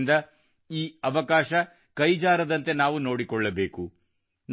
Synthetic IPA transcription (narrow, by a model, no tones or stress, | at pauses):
nd̪ɐ | iːɐʋɐkaːʃɐ | kɐjd͡ʒaːɾɐd̪ɐnt̪e̞naːʋuno̞ːɽikɔɭːɐbe̞ːku | n